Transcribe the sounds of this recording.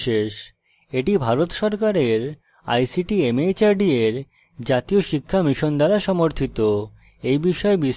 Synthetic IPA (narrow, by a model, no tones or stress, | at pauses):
ʃeʃ | eʈibʱaɾot̪ʃɔɾkaɾeɾ | a̰jsiʈiemet͡ɕaɾɖieɾ | d͡ʑat̪ioʃikʰːamiʃond̪aɾaʃɔmoɾt̪ʰit̪o | ejbiʃɔebi